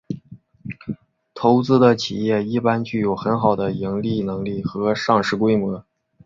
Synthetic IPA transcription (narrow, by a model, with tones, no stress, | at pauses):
t̪ʰo˧˥ʊt͡sɹ̩˥d̪ə˨t͡ɕʰi˨˩jɛ˥˩i˥˩pa˥nt͡ɕy˥˩jo˨˩ʊxə˧˥nxɑ˨˩ʊd̪ə˦i˧˥ŋli˥˩nɤ˧˥ŋli˥˩xɤ˧˥ʂɑ˥˧ŋʂɻ̩˥˩kwe˥ɪmwɤ˧˥